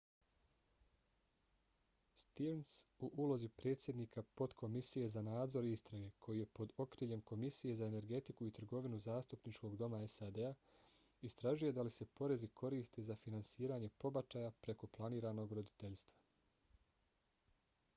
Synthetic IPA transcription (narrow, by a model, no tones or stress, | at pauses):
st̪iʋnsuʔulˠo̞zipɾe̞ːt̪sʲje̞d̪niːkʰapo̞t̪kʰo̞misije̞zanaːd̪zo̞ɾist̪ɾaɡe̞kʰo̞jije̞po̞d̪o̞kɾiːlʎe̞mko̞misije̞zae̞ne̞ɾɡe̞t̪ikuit̪r̩ɡo̞ʋinuzaːst̪upnit͡ʃko̞ɡd̪o̞mae̞sad̪e̞a | ist̪ɾaʒuje̞d̪alise̞po̞ɾe̞zikʰo̞ɾiːst̪ezafinansiːɾaɲe̞po̞bat͡ʃaːjapɾe̞ko̞plˠaniːɾano̞ɡɾo̞d̪it̪e̞ʎst̪ʋḁ